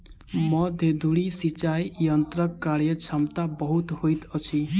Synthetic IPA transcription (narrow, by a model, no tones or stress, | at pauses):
mʌd̪ʱed̪ʱuɽisit͡ʃajjʌnt̪ɾʌkːaɾjʌt͡ʃʰʌmt̪abʌɦut̪hojt̪ʌt͡sʰi